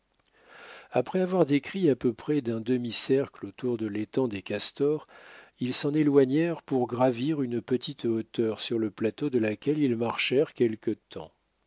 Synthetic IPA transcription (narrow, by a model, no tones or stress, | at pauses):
apχɛavwaʁd̪ekχiapøpχɛd̪ɛ̃d̪əmisɛʁklot̪uʁd̪əlet̪ɑ̃d̪ekʲast̪ɔʁilsɑ̃nelwaɲɛʁpuʁɡʁaviʁynpət̪ʰit̪ot̪œʁsyʁləplat̪od̪əlakʲɛlilmaʁʃɛʁkʲɛlkət̪ʰɑ̰̃